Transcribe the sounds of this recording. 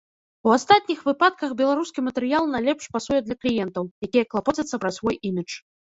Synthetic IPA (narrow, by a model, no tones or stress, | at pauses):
uast̪at̪ʲnʲixvɨpat̪̚kɐxbʲɛlˠaɾuskʲimɐt̪ɛɾɨjalˠnɐjlʲɛpʂpasujɛd̪lʲɐklʲijɛnt̪ɐwjakʲijɐklˠapɔt͡sʲɐt̪sːɐpɾasʲvɔjʔimʲit͡ʂ